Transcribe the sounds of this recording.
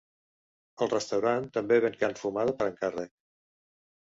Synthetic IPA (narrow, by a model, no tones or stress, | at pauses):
əlˠrəst̪əwɾant̪əmbeβeŋkanfumaðəpəɾəŋkərɛk